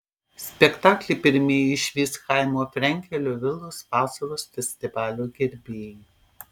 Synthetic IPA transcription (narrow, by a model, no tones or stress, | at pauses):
sʲpʲɛkt̪ɑːklʲɛpʲɪɾʲmʲeːjɪʃʲʋʲiːskɑˑɪmoːfʲɾʲɛŋʲkʲɛlʲoːʋʲɪlˠoːsʋɑːsɐɾoːsfʲɛsʲt̪ʲɪʋɑːlʲuːɡʲɪɾʲbʲeːjɛ